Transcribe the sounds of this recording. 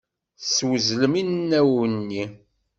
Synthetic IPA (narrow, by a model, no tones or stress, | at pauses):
swəzləminnːæwənːi